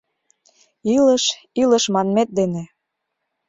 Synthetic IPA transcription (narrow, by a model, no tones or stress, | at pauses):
iləʃ | iləʃmɑnmet̪̚d̪ene